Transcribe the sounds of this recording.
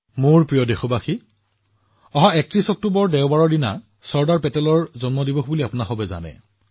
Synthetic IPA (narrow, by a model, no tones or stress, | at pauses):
mʊɹpɹijɔdexɔbaxi | ɔɦɔ̃ɛk̚tɹisɔk̚tubɔɹdɛʊbaɹɔɹdina̰ | sɔɹdaɹpɛtɛlɔɹzɔnmɔdibɔxbuliapunaxɔbɛza̰nɛ̰